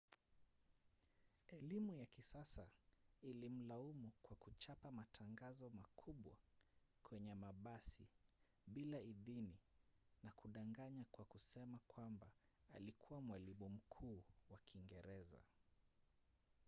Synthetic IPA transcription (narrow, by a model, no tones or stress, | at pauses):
ɛlimujakisasailim̩laumukwakut͡ʃapamatʰaŋɡazɔmakʰuɓwakʰwɛɲɛmaɓasi | ɓilaiðininakuɗaŋɡaɲakwakusɛmakwamba | a̰likʰuwamwalimum̩kʰuːwakʰiŋɡɛɾɛza̰